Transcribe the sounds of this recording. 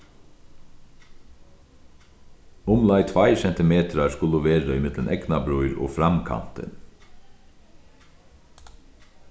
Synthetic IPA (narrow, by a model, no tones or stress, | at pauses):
ʊmlɑɪt̪ʰʋɑɪçɛnt̪əmeːt̪ʰɾɑskʊləʋeːɾəɪmɪd̪lənʔɛɡnɑbɾʉʏɾo̰ːfɾɑmkʰɑ̰nt̪ə̰n